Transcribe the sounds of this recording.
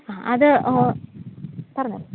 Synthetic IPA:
aːʔɐðɨ | pɐrɐɲːu

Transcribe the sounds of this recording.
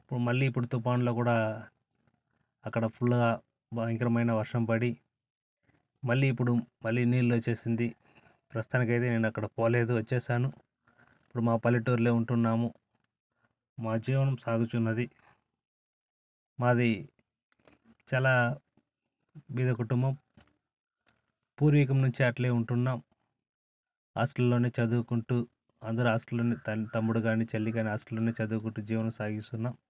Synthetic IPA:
ipːuɽumɐɭːiːpːuɽut̪upaːnlo̞ːkuːɽaː | ɐkːɐɽɐpʰuɭːuɡaː | bɐŋkɾɐmɐjnɐʋɐɾʂɐmpɐɽi | mɐlːiːpːuɽumɐlːiːniːllo̞ːt͡ʃːe̞ːsind̪i | pɾɐst̪aːnikɐjt̪e̞ːne̞ːnuɐkːɐɽɐpoːle̞ːd̪uʋɐt͡ʃːɛːʃaːnu | ipːuɽumaːpɐlːiʈːoːɾleːuɳʈunːaːmu | maːd͡ʒiːʋɐnɐmsaːɡ̪ut͡ʃunːɐd̪i | maːd̪i | t͡ʃaːlaː | bid̪ɐkuʈumbɐm | puːɾʋiːk̬ɐmnuɲt͡ʃiɐʈleːuɳʈunːaːm | a̰ːsʈɐlːo̞ːneːt͡ʃɐd̪uːkuɳʈu | ɐnd̪ɐɾuaːsʈɐloːnit̪ɐt̪ɐmbuɽuɡaːnit͡ʃelːiɡaːniasʈɐloːneːt͡ʃɐd̪uːkuɳʈud͡ʒiːʋɐnɐmsaːɡist̪unːaːm

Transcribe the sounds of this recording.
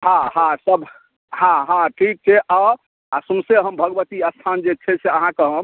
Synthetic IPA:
ɦãɦãsəb | hãɦãʈɾiʈ̚t͡ʃʰɛʔa | asumseɦəmbʱəɡʋət̪iəst̪ʰand͡ʒet͡ʃʰɛseəɦãkeɦəm

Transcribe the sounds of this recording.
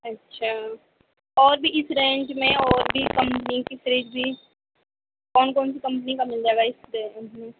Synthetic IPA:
ɐtːʃʰaː | ɔːɾbʱiɪsɾẽːɳʈmẽɔːɾbʱikɐ̃mpnikɪsɾiːʈbʱi | kɔːnkɔːnsikɐ̃mpnikamɪld͡ʒaːeɡaɪsɾẽːʈmẽ

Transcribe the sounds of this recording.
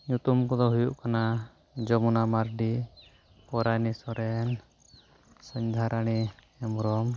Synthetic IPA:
ɲut̪umkɔd̪ɔɦujuʔkana | d͡ʒɔmunamaɾɖi | pɔɾanisɔɾɛn | səɲd̪ʱaɾaɽ̃i | ɛmɾɔm

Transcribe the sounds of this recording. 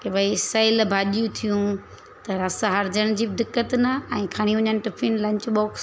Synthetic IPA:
kebɐisɐːɪlbʱaːɗijũt̪ʰijũ | t̪ɐɾɐsaɦɐɾd͡ʑəɽ̃d͡ʑiːbɪɖɪkːət̪naɛ̃ːkʰɐɽ̃iɦʊɲənɪ̆ʈɪpʰinlɐ̃ɲt͡ɕɓoːks

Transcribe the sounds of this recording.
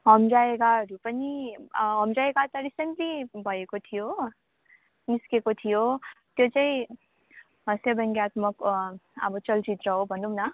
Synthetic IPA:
ɦʌmd͡zaekaʌɾupʌniɦʌmd͡zaekat̪ʌɾisenʈlibʱʌekot̪ʰijo | niskekot̪ʰijot̪jot͡saĩ | ɦʌsjʌbʌŋɡjat̪mʌkʌ̰bʌt͡sʌlt͡sit̪rʌɦobʱʌnumna

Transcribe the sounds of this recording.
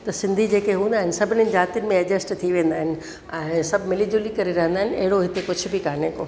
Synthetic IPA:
t̪ɐsɪ̃nd̪ʱid͡ʑeːkeɦũːnd̪aːɦɪnɪ̆sɐbʱɪnɪnɪ̆d͡ʑaːt̪ijənɪ̆mẽɐd͡ʑəsʈt̪ʰiʋẽːn̆d̪aːɦɪnɪ̆ | ɛ̃ːsɐbʱmɪlid͡ʑuːlikɐɾeɾɐɦə̃nd̪aːɦɪnɐ̰ɦɪɽoɦɪt̪ekʊd͡ʑʱʊ̆bʱɪkaːnekoː

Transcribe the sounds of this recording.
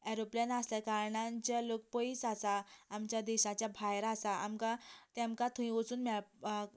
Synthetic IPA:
ɛɾoplijənaslakaɾɳãt͡ɕalok̚pɔiːsasaːmt͡ɕjad̪ɛɕat͡ɕjabʱajɾasaamkat̪ãmkat̪ʰumĩʋot͡suːnmaɭ

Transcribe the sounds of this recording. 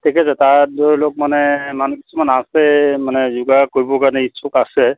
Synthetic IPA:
t̪ekɛsat̪adolok̚manɛmanuki̥sʰumanasɛmanɛzuɡakojbokanaisʰokasɛ

